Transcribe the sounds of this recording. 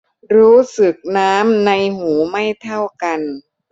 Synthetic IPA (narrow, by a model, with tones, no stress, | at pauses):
ɾuː˦˥sɯ˨˩k̚naː˦˥mna˧jmuː˩˦ma˥˩jt̪ʰa˥˩wka˧n